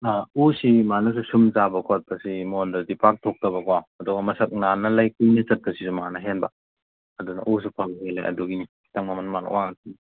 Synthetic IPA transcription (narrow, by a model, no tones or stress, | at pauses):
ausimanus̬usumzabɐkʰot̚pɐsimondɐldipʰak̚tʰok̚tɐbɐkwaɐduɡɐmɐsɐk̚nanɐlɐjkunit͡ʃɐt̚pɐsisumɐŋanɐɦenbɐ | ɐdunɐ̰ʔus̬upʰalɦala̰jʔɐ̰duɡiniki̥tɐŋmamɐnmana̰waŋɐtini